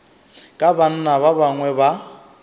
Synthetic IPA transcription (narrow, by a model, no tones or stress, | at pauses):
kʼaban̩naβaβaŋwɛba